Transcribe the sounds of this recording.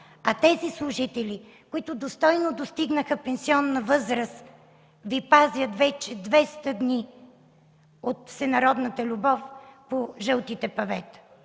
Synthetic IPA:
ɐt̪ɛzislˠʊʒit̪ɛlʲi | kʊit̪ʊd̪ost̪ɔjnod̪ost̪iɡnəxəpɛnsiɔnːɐvɤzɾəs | vipazjət̪vɛt͡ʃɛd̪vɛst̪əd̪ni | ot̪fsɛnɐɾɔd̪nət̪əlʲubɔfpoʒəlˠt̪it̪ɛpɐvɛt̪

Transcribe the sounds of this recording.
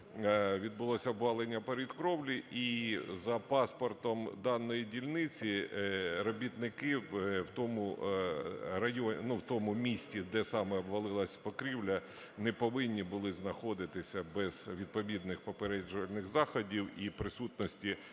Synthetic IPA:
ʋʲid̪̚bʊlˠɔsʲɐɔbʋɑlˠenʲːɐpeɾʲid̪kɾɔwlʲiʔizɐpɑspɔrt̪ɔmd̪ɑnːɔjidʲilʲnɪt͡sʲiɾɔbʲit̪nɪkɪwwt̪ɔmʊ | rɐjɔnuwt̪ɔmʊmʲisʲtʲid̪ɛsɑmɛɔbʋɐlˠɪlˠɐsʲpɔkɾʲiwlʲɐ | nɛpɔʋɪnʲːibʊlˠɪznɐxɔd̪ɪt̪ɪsʲɐbɛz̥ʋʲid̪̚pɔʋʲid̪nɪxpɔpeɾɛd͡ʒʊʋɐlʲnɪxzɑxɔdʲiwipɾɪsut̪nɔsʲtʲi

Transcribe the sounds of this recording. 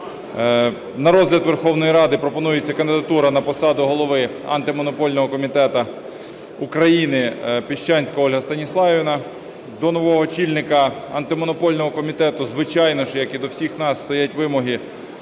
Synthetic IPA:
nɐɾɔzɦlʲɐt̪ʋerxɔwnɔjiɾɑd̪ɪpɾɔpɔnujet͡sʲːɐkɐnd̪ɪd̪ɐt̪uɾɐnɐpɔsɑd̪ʊɦɔlˠɔʋɪɐ̰nt̪ɪmɔnɔpɔlʲnɔɦɔkɔmʲit̪ɛt̪ɐ | ukɾɐjinɪpʲɪʃt͡ʃɑnʲsʲkɔɦɔlʲɦɐst̪ɐnʲislˠɑʋʲinɐ | d̪ɔnɔʋɔɦɔt͡ʃʲilʲnɪkɐɐ̰nt̪ɪmɔnɔpɔlʲnɔɦɔkɔmʲit̪ɛt̪ʊzʋɪt͡ʃɑjnɔʃjɐkid̪ɔwsʲixnɑsːt̪ɔjatʲʋɪmɔɦi

